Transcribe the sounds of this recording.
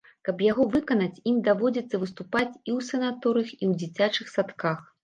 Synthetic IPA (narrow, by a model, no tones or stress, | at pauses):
kɐpjaɣɔvɨkɐnɐt͡sʲimd̪avɔd͡zʲit̪sːɐvɨst̪upat͡sʲiwsɐnat̪ɔɾɨxiwd͡zʲit͡sʲat͡ʂɨxsat̪kax